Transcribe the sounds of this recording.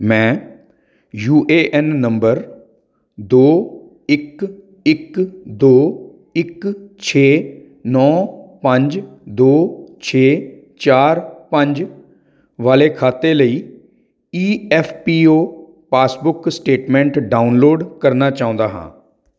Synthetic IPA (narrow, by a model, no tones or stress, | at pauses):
mɛ̃ː | juːʔeːʔɛːnːəmbəɾ | d̪oː | ɪk | ɪkd̪oː | ɪkt͡ʃʰeː | nɔːpəɲd͡ʒd̪oːt͡ʃʰeː | t͡ʃaːɾpəɲd͡ʒ | ʋaːleːkʰaːt̪eːləiː | iːɛːpʰpiːoː | paːsbʊksʈeːʈmɛ̃ːɳʈɖaːʊnloːɖkəɾnaːt͡ʃaːʊ̃nd̪aːɦã̰ː